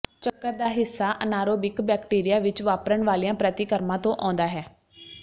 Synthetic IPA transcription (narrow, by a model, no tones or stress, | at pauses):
t͡ʃəkːəɾd̪aːɦɪsːaːʔənaːɾoːbɪkbɛːkʈiːɾɪjaːʋɪt͡ʃʋaːpɾəɳʋaːlijãːpɾət̪iːkəɾmãːt̪õːʔɔ̰̃ːnd̪aːɦɛː